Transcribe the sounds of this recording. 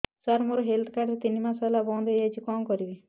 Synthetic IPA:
saɾmoɾɔɦeld̪ʰkaɾʈ̪t̪inimasajlabɔ̃d̪ʱejajt͡ʃʰikɔmkɔɾibi

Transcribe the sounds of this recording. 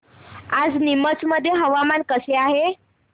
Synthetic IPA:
ad͡znimət͡sməd̪ʱːjeɦəʋamankəseaɦe

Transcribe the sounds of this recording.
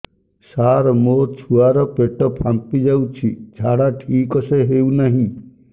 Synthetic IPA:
saːɾmoːt͡ʃʰuaɾɔpeʈopʰampid͡ʒaut͡ʃʰid͡ʒʱaːɽaʈʰiːkoseɦeunaɦĩ

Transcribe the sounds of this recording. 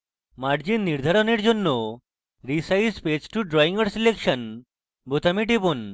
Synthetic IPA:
maɽd͡ʑinːiɾd̪ʱaɾɔneɾd͡ʑonːo | ɾisaispet͡ɕʈuɖɾɔiŋɡəɾsilekʂən | bot̪amiʈ̬epon

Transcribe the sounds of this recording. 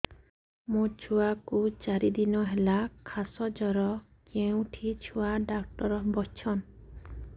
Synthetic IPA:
mũt͡ʃʰuakut͡ʃaɾid̪inɔɦelakʰasɔd͡ʒɔɾɔ | keũʈʰit͡ʃʰuaɖak̚ʈɔɾɔbɔst͡ʃʰɔn

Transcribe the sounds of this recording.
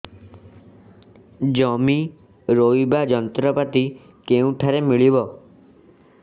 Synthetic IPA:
d͡ʒɔmi | ɾojbad͡ʒɔnt̪ɾɔpat̪i | keũʈʰaɾemiɭibɔ

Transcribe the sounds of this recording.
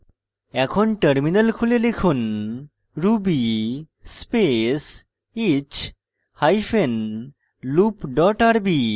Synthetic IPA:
ɛkʰonʈəɾminəlkʰulelekʰun | ɾubi | spes | et͡ʃt͡ɕ | hajfʰen | lupɖɔʈaɾbi

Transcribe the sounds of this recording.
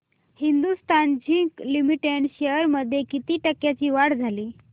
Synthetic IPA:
hind̪ust̪ʰand͡ʑiklimiʈeɳɖɕejəɾməd̪ʱːjekit̪iːʈəkjat͡ɕiːʋaɽd͡zʱaliː

